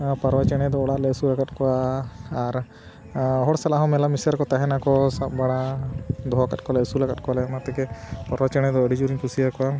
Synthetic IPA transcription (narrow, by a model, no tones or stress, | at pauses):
paɾwat͡ʃɛɽ̃ɛd̪ɔːɽaʔlɛəsulaɡat̪̚kɔaː | ɾ | ɦɔɽsalaɦɔ̃mɛlamisaɾkɔt̪aɦɛnakɔsap̚baɽad̪ɔɔkat̪̚kɔlɛəsulaɡat̪̚kɔalɛnat̪ɛkɛpaɾwat͡ʃɛɽ̃ɛd̪ɔəɽid͡ʒuɾiɲkusijakɔwa